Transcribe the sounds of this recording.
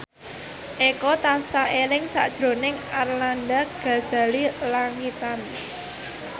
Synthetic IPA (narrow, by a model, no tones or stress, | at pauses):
ʔekɔt̪asaʔelɪŋsa̰ʔd̥ʒ̥ɾo̤nɪŋarlandaɡ̥a̤z̥a̤lilaŋit̪an